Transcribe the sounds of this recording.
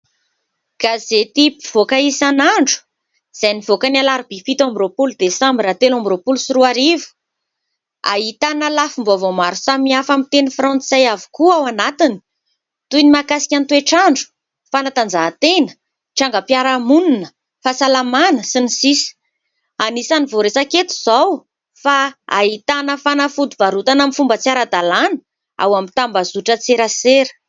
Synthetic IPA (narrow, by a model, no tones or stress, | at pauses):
ɡ̥azet̪ipiv̥okaisanaɳɖ͡ʐu̥ | z̥ajnivokanalaɾib̥ifit̪ambiɾopuld̪esãmbiɾat̪elãmbiɾopulusiɾuaɾivu̥ | a̰ɦit̪analafimbovomaɾusamiafamit̪enifrɔ̃nsajavu̥kuawanat̪ini̥ | t̪ujnimakasi̥kʲant̪ueʈ͡ʂaɳɖ͡ʐu̥ | fanat̪and͡zaɦːt̪enə̥ | ʈ͡ʂaŋɡəpjaɾamununə | fasalamanəsinisisi̥ | anisanivoɾesaket̪u̥z̥aw | faa̰ɦit̪anəfanəfud̪uv̥aɾut̪anamifumbət͡siaɾad̪alanə̥ | a̰wamit̪ambazuʈ͡ʂət͡seɾaseɾə̥